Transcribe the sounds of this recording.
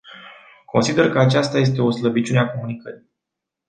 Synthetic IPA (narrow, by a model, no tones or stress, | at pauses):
kʰo̞nsid̪e̞rkəat͡ʃast̪aje̞s̬t̪e̞o̞sləbit͡ʃuneako̞munikəɾi